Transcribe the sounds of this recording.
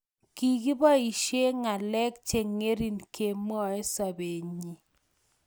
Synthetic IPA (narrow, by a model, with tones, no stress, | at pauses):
ki˨ki˦ba˦i˨ʃe˦ŋa˨lɛ˦k̚t͡ʃe˨ŋe˦ɾi˦nkʰe˨mɔ˦ɛ˦sa˨be˨ɲi˨